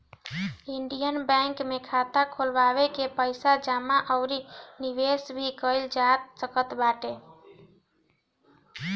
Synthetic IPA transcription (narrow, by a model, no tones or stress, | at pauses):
iɳɖijənbɛ̃ŋkmekʰat̪akʰolbaβekepəɪsad͡ʒamaʔəʊɾinibesbʱikəld͡ʒat̪̚səkət̪baʈe